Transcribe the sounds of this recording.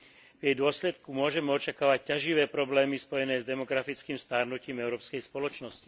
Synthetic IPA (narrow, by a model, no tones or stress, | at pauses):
vjɛjd̪ʊɔslɛt̪kumʊɔʒɛmɛɔt͡ʃakaːʋac̚cːaʒiʋɛːpɾɔblɛːmispɔjɛnɛːzd̪ɛmɔɡɾafit͡skiːmst̪aːɾnuciːmɛʊɾɔːpskɛjspɔlɔt͡ʃnɔsci